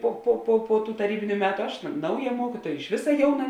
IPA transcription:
ˈpoː poː poː poː tuː tɐˈrʲiːbʲɪnʲʊ ˈmʲæːtʊ ˈɐʃ ˈnɐʊˌjɛ ˈmuɔkʲiːtuɔjɛ ɪʃ ˈʋʲɪsɐ ˈjɛʊˌnɐ

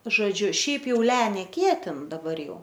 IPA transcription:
ʒoːˈd͡ʒʲʊ ˈʃʲɛɪp ˈjɛʊ ˈlʲɛ nʲɛˈkʲiɛtʲɪn dɐˈbɐr ˈjɛʊ

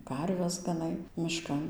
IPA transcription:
ˈkɐrʲʋʲɛs ɡɐˈnɐɪ mʲɪˈʃkɐn

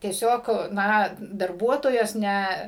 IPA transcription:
tʲiɛˈsʲoːk ˈnɐ dɐrˈbuɔtoːjoːs ˈnʲɛ

